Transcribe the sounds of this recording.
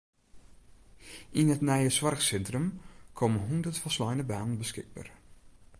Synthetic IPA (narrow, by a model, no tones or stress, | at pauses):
ʔinətnɛjəsʋarxsɛntrəmkʰomənɦundətfɔslɔjnəbaːnənbəskɪɡ̚ba̰ːr